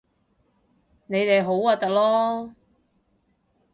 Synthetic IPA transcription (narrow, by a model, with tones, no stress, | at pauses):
ne˨˧jt̪e˨jɦo˨˥waː˨˧t̪ɐ˨k̚lɔː˥